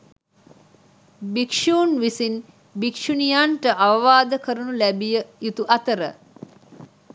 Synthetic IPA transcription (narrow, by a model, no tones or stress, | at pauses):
bikʂuːnʋisin | bikʂunijaɳʈəʔaʋəʋaːd̪əkəɾunulæbijəjut̪uʔɐt̪əɾə